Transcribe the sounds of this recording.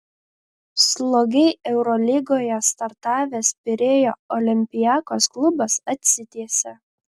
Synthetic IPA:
slˠoːɡʲɛɪɛʊɾɔlʲɪɡoːjɛst̪ɐɾt̪ɑːʋʲeːspʲɪɾʲeːjoːɔlʲɪmʲpʲɪjɑːkoːsklˠʊbɐsɐt̪ʲsʲɪt̪ʲiɛsʲɛ

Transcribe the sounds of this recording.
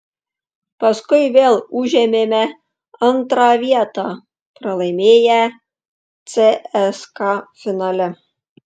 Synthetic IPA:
pɐskʊjʋʲeːlˠuʒʲemʲemʲæ | ɑnt̪ɾɑʋʲiɛt̪ɑ | pɾɐlˠɐɪmʲeːjæ | t͡sʲeɛskɑfʲɪnɑlʲɛ

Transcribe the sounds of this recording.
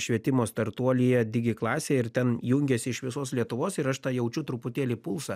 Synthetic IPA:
ʃʲʋʲiɛt̪ʲɪmoːst̪ɐɾt̪uɔlʲɪjɛd̪ʲɪɡʲɪklˠɑːsʲeːɪɾt̪ʲɛnjʊŋʲɡʲɛːsʲɪɪʃʋʲɪsoːslʲiɛt̪ʊʋoːsɪɾɐʃt̪ɑːjɛʊt͡ʃʲʊt̪ɾʊpʊt̪ʲeːlʲiːpʊlˠsɑ

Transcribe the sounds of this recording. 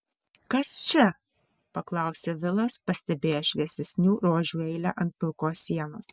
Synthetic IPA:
kɐst͡ʃʲɛ | pɐklˠɐˑʊsʲeːʋʲɪlˠɐspɐsʲt̪ʲɛbʲeːjoːʃʲlʲɛsʲɛsʲnʲuːɾoːʒʲuːɛɪlʲæʔɐnt̪̚pʲʊɾkoːsːʲiɛnoːs

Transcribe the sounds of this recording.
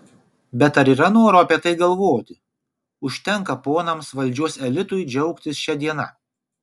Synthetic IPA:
bʲɛt̪ɐɾiːɾɐnoːɾoːɐpʲiɛt̪ɐɪɡɐlˠʋoːt̪ʲɪ | ʊʃʲt̪ʲɛŋˑkɐpoːnɐmsʋɐlʲd͡ʒʲuɔsɛlʲɪt̪ʊjd͡ʒʲɛʊkt̪ʲɪsʃʲɛd̪ʲiɛnɐ̰

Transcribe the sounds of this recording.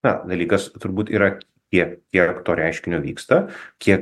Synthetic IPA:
t̪ɐd̪ɐlʲiːkɐst̪ʊɾbuːt̪ḭːɾɐ | kʲiɛkkʲiɛkt̪oːɾʲæˑɪʃʲkʲɪnʲoːʋʲḭːkst̪ɐkʲiɛk

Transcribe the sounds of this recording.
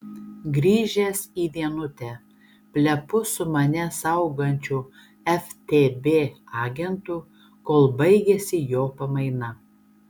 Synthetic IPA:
ɡɾʲiːʒʲeːsiːʋʲiɛnʊt̪ʲɛ | pʲlʲɛpʊsʊmɐnʲɛsɐʊɡɐnʲt͡ʃʲuː | ɛft̪ʲeːbʲeːɑːɡʲɛnt̪u | koːlˠbɐɪɡʲɛsʲɪjoːpɐmɐɪnɐ

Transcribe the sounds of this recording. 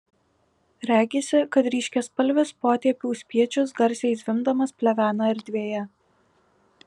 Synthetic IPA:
ɾʲæːɡʲeːsʲɪkɐt̪ɾʲiːʃʲkʲɛspɐlʲʋʲɪspoːt̪ʲiɛpʲɪʊsʲpʲiɛt͡ʃʲʊsɡɐɾʲsʲɛɪsʲʋʲɪmd̪ɐmɐspʲlʲɛʋʲæːnɑɪɾʲd̪ʲʋʲeːjɛ

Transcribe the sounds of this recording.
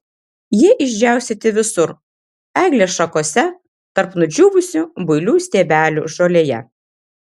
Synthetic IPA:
jiɛʔɪʒʲd͡ʒʲæˑʊsʲet̪ʲɪʋʲɪsʊɾ | æːɡlʲeːsʃɐkoːsʲɛ | t̪ɐɾpnʊd͡ʒʲuːʋʊsʲubʊɪlʲuːsʲt̪ʲeːbʲæːlʲṵʒoːlʲeːjɛ̰

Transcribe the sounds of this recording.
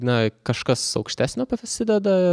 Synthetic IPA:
nɐkɐʃkɐsɒʊkʃʲt̪ʲæːsʲnʲoːpɐsʲɪd̪ʲɛd̪ɐɪ

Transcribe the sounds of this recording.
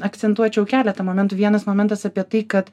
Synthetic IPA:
ɐkt̪sʲɛnt̪uɔt͡ʃʲɛʊkʲæːlʲɛt̪ɐmoːmʲɛnt̪uːʋʲiɛnɐsmoːmʲɛnt̪ɐsɐpʲiɛt̪ɐɪkɐt̪

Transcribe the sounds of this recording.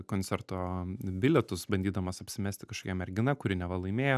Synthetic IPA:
koːnʲt̪sʲɛɾt̪oːbʲɪlʲɛt̪ʊsbɐnʲd̪ʲiːd̪ɐmoːsɐpʲsʲɪmʲæːst̪ʲɪkɐʃkoːkʲɛmʲɛɾʲɡʲɪnɐkʊɾʲɪnʲɛʋɐlˠɐɪmʲeːjo

